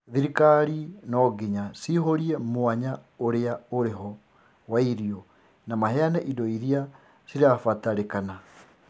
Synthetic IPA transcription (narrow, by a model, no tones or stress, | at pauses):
ðiɾikaɾinɔɡiɲasiɦoɾiɛmoaɲaoɾeaoɾeɦɔ | waiɾiɔ | namahɛanɛʔidɔiɾia | siɾafataɾekana